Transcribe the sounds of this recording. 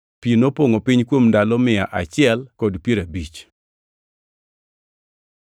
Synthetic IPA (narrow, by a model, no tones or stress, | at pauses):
pinopoŋopɪɲkwomndalɔmɪaʔat͡ʃɪɛlkɔdpjeɾabit͡ʃ